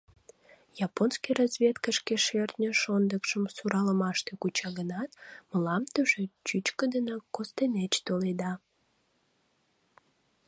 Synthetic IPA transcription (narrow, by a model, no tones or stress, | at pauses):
jɑponskijrɑzβʲet̪kəʃkeʃert̪nʲəʃond̪əkʃəmsuɾɑləmɑʃt̪ekut͡ɕɑɣənɑt̪məlɑmt̪əʒet͡ɕyt͡ɕkəd̪ənɑkost̪enet͡ɕt̪oled̪ɑ